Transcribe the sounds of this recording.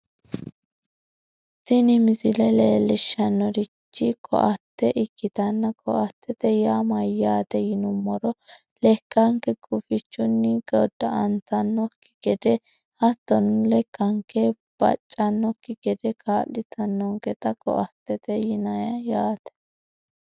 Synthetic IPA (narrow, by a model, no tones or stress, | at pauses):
t̪ɪnɪmɪzɪlɛleːlɪʃːɐnːɔɾɪt͡ʃːɪkʰɔ̰ʔɐt̪ːɛʔɪkːɪt̪ɐnːɐkʰɔ̰ʔɐt̪ʰːɛt̪ɛjaːmɐjaːt̪ɛjɪnʊmːɔɾɔ | lɛkːɐŋkɛkʼʊfɪt͡ʃːʊnːɪɡɔd̪ɐɐnt̪ɐnːɔkːɪ̥ɡ̥ɛd̪ɛ | hɐt̪ːɔnlɛkːɐŋkɛ | b̥ɐ̰t͡ʃʼːɐnːɔkːɪɡɛd̪ɛkʰaːlɪt̪ʰɐnːɔŋɡɛt̪ɐkʼɔ̰ʔɐt̪ːɛt̪ɛjɪnɐjɐjaːt̪ɛ̥